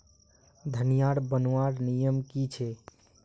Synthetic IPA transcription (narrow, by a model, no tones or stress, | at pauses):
d̪ʱənijaɽbənwaɽnijəmkit͡ʃʰɛ